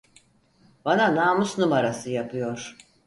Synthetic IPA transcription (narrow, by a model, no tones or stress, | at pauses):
bananaːmusnumaɾasɯjapʰɯjo̞ɾ̥